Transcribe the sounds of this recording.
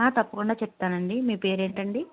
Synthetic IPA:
aːt̪ɐpːɐkuɳɖaːt͡ʃɛp̚t̪aːnɐɳɖimiːpe̞ːɾe̞ːɳʈɐɳɖi

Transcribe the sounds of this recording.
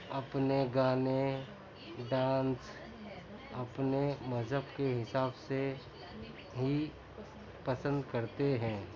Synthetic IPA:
ɐpneɡaːne | ɖãːns | ɐpnemɐzɦəbkeɦɪsaːbse | ɦi | pɐsə̃nd̪kɐɾt̪eɦɛ̃ː

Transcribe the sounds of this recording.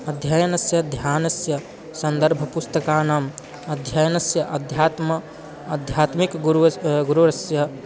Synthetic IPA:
ɐd̪ʱjɐjɐnɐsjɐd̪ʱjaːnɐsjɐ | sɐnd̪ɐɾbʱɐpust̪ɐkaːnaːm | ɐd̪ʱjɐjɐnɐsjɐʔɐd̪ʱjaːt̪mɐ | ɐd̪ʱjaːt̪mikɡuɡuɾuɾɐsjɐ

